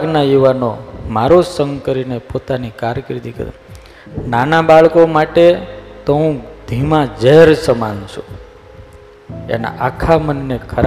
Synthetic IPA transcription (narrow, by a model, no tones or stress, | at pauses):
ɡnajuʋanomaɾosəŋɡkəɾinepot̪anikaɾkɾit̪ikə̰ɾṵ | nanabaɭkomaʈet̪əɦũd̪ʱimãd͡ʒəɦɾsəma̰nt͡ʃʰu | ḛna̰ʔakʰamənːekʰəɾ